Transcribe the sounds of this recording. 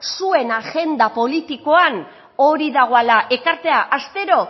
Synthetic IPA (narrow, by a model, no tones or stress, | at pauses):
sue̞naʝe̞nd̪apo̞lit̪iko̞an | o̞ɾiðaɣ̞o̞alaʔe̞kaɾt̪e̞aʔast̪e̞ɾo̞